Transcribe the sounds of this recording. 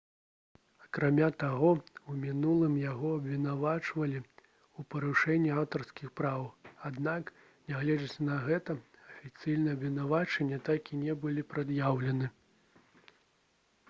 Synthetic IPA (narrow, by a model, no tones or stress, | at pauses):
ɐkɾamʲat̪aɣɔumʲinulˠɨmjaɣɔɐbvʲin̪avat͡ʂvɐlʲi | upɐɾuʂɛnʲːiawt̪ɐrskʲixpɾawad̪nak | nʲaɣlʲɛd͡zɐt͡sʲnɐɣɛt̪ɐɐfʲit̪sɨjnɨɛɐbvʲinavat͡ʂɛnʲːɛt̪akʲinʲɛbɨlʲipɾad̪jawlʲɛnɨ